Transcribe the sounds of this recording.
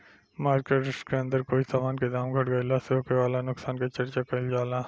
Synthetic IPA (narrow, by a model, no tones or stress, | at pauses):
maːɾkeʈskeɐ̃nd̪əɾkoːisaːmaːnked̪aːmɡʱɐʈɡɐjlasoːkeʋaːlanʊksaːnket͡ʃɐɾt͡ʃakɐld͡ʒaːlaː